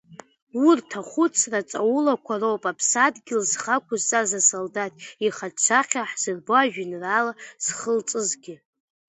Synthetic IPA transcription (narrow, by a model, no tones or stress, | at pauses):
wurtʰaχʷʊt͡sʰrat͡sʼa̰wulakʷʰarowpʼapʰsadɡʲɪlzχakʷʰʊzt͡sʼazasoldatʼiχat͡sʰaχʲaħz̥ɨrboaʒᶣɪnralaz̥χəlt͡sʼɨzɡʲɪ